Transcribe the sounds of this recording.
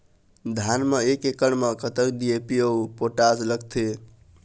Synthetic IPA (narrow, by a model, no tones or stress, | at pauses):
d̪ʱanmeekekəɳmekət̪əkɖiepiəwpoʈad͡ʒləɡt̪ʰe